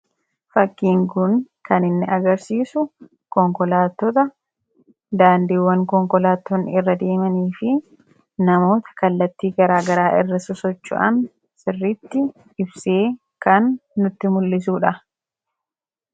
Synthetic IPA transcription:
fɐkːiːŋɡʊn | kɐnɪnːɪɐɡɐɾsiːsʊ | kɔŋkɔlaːt̪ːɔt̪ɐ | d̪aːnd̪iːwːɐŋkɔŋkɔlaːt̪ːɔnɪrːɐd̪e̞ːmɐniːfɪ | nɐmo̞ːt̪ɐ̥kɐlːɐt̪ːiːɡɐɾaːɡɐɾaːʔɪrːɐsʊsɔt͡ʃːʊ̰ʔɐ̰n | sɪrːɪt̪ːɪ | ɪbseː | kɐnːʊt̪ːɪmʊlːɪs̬uːᶑɐ

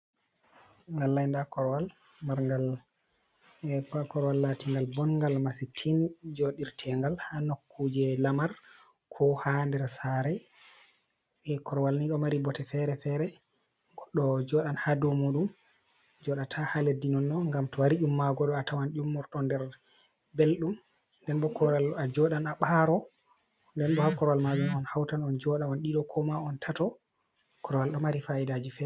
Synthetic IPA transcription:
ŋɡalːajndakɔɾwalmaɾŋɡal | pakɔɾwalːatiŋɡalbɔnŋɡalmasitʰind͡ʒoɗiɾtʰɛŋɡalhanokʰːud͡ʒɛlamaɾkʰɔhandɛɾsaɾɛ | ɛkɔɾwalniɗɔmaɾibɔtɛfɛɾɛfɛɾɛkɗɔd͡ʒɔɗanhadɔmuɗum | d͡ʒɔɗatʰahaledːinɔnːɔŋɡamtɔwaɾiʔumːaɡɔɗɔatawanɗumːɔɾɗɔndɛɾbelɗumndɛnbɔkɔɾalad͡ʒɔɗanaɓaɾɔ | ndɛnɗɔhakɔɾwalmad͡ʒumɔnhawtanɔnd͡ʒɔɗawɔnɗiɗɔkʰɔmaɔntʰatɔ | kɔɾwalɗɔmaɾifaidad͡ʒifɛ

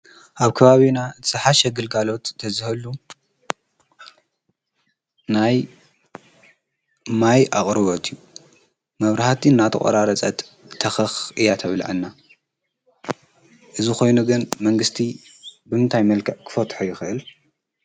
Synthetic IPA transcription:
ʔaβkʰɐβaβinaɨt̪ʰɨ̥sɨħaʃɛɡɨlɡalo̞t̪ʰːɐzɨhɐlu | naj | majʔaχʼɾɨβot̪ʰiju | mɐβɾahat̪ʰiɨnːat̪ʰɐχʼɐ̰ɾaɾɐt͡sʼɐt̪ʰː | ɐxɐxʔɨjat̪ʰɐβla̰ʕɨnːa | ʔɨzixo̞jnuɡɨnmɐŋɡɨst̪ʰi | bɨmɨnt̪ʰajmɐlkʰɐʕkʰɨ̥fɐt̪ʼħujɪxɨʔɨl

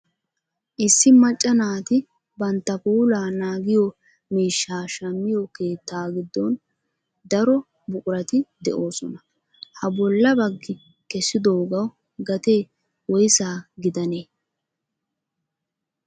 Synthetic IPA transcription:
ʔɪsːɪmɐt͡ʃʼːɐnaːt̪ɪ | bɐnt̪ːɐpuːlaːnaːɡɪjɔ | miːʃːaːʃɐmːɪjɔke̞ːt̪ːaːɡɪd̪ːɔn | d̪ɐɾɔ | bʊkʼʊɾɐt̪ɪd̪ɛʔo̞ːsɔnɐ | hɐbɔlːɐbɐɡːɪ | kɛsːɪd̪oːɡɐw | ɡɐt̪eː | wɔjɪsaːɡɪd̪ɐneː

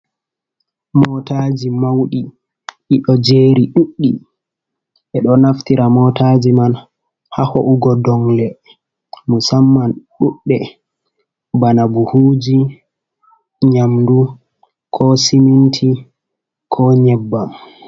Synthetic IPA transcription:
mɔtad͡ʒimawɗi | iɗɔd͡ʒeːɾiɗuɗːi | ʔɛɗɔnaftiɾamɔtad͡ʒiman | hahɔʔuɡɔdɔŋlɛ | musamːanɗuɗːɛ | banabuhuːd͡ʒi | ɲamdu | kʰɔsimintʰi | kʰɔɲɛbːam

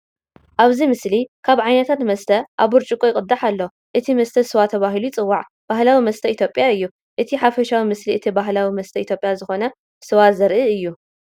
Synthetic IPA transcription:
ʔaβzimɨslikʰaβʕajnɐt̪ʰat̪mɐst̪ʰɐʔaβɨɾt͡ʃʼɨkʼojɪkʼɨd̪ːaħalːo | ʔɨt̪ʰimɐst̪ʰɐsɨwat̪ʰɐβaɦilut͡sʼɨwːaʕ | b̥ahlawimɐst̪ʰɐit̪ʰjo̞pʼjaɨjːu | ʔɨt̪ʰiħafɐʃawimɨsliʔɨt̪ʰibaɦlawimɐst̪ʰɐit̪ʰjopʼjazɨxo̞nɐ | sɨwazɐɾʔɨɨjːu

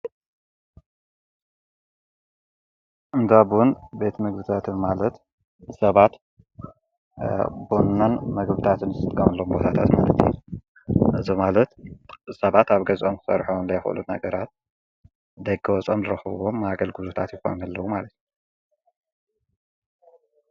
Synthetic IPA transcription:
ʔɨnd̪aβwunbe̞t̪mɨɡbɨt̪ʰat̪ʰɨnmalɐt̪ | sɐβat̪ | bonːɐnmɐɡbɨt̪ʰat̪ʰɨnzɨt̪ɨt̪ʼkʼːɐmɐlːɐumbo̞t̪ʰat̪ʰa̰t̪malɐt̪ʰjṵ | ʔɨzomalɐt̪sɐβat̪aβɡɐzʔomkɨ̥sɐ̰ɾħonlɐjxɨ̰lunha̰ɡɐɾat̪̚ | d̪ɐɡɐwɐt͡sʼo̞mzɨɾɐxɐβwomːaɡɐlɡɨzut̪ʰat̪jɪxo̞̰nnalːɐwumalɐt̪ʰju

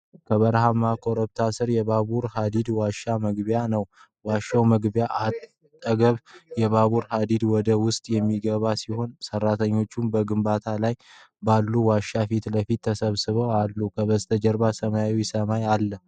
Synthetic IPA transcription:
kʰəβəɾhamakʰoɾəbt̪ʰasɨɾjɛβaβuɾhad̪id̪waʃːaməɡbjanəw | waʃːawməɡbjaʔat̪ʼː | əɡəβjɛβaβuɾhad̪id̪wɔd̪əwʊst̪ʼjɛmːiɡəβasiho̞nsərːat̪ʰəɲːo̞t͡ʃːumbəɡɨmbat̪ʰalaj | balːuwaʃːafit̪ləfit̪ʰːəsəβsɨβəwalːukʰəβəst̪ʰəd͡ʒəɾbasəmajawsəmajalːə

